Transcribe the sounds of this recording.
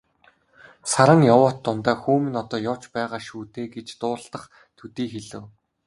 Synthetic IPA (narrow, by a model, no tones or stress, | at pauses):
saɾə̆ŋjɔwʊːt̪ːʊnt̪aːxuːmɘ̆nɔt̪ɔːjʊw̥t͡ɕpæːʁaːʃuːt̪eːɡet͡ɕt̪ʊːɮt̪ə̆χ | t̪ʰɵt̪iːxeɮɘ̆w